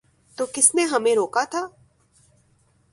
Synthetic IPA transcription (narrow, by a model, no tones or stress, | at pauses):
t̪oːkɪsnẽɦɐmẽɾoːkat̪ʰaː